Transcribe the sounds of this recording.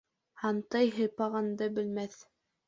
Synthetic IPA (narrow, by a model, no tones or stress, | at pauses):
hɑnt̪ɑjɦɤpɑʁɑnd̪ɤbɘ̆lmæθ